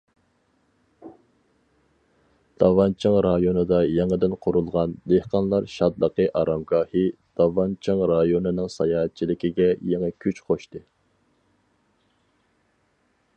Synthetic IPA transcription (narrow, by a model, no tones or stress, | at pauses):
d̪̥ɑvɑnt͡ʃʰɑŋɾɑjonɨd̪ɑjɛŋəd̪ɪnqʰʊɾulˠʁɑnd̪ehqɑnlˠɑɾʃɑd̪lˠəqəʔɑɾɑmɡɑːhɨd̪̥ɑvɑnt͡ʃʰɑŋɾɑjonɨnɨŋsɑjɑːɦɛt̪̚t͡ʃʰilɪkʲiɡʲɛjɛŋɛkʲʰyt͡ʃqʰoʃt̪ɨ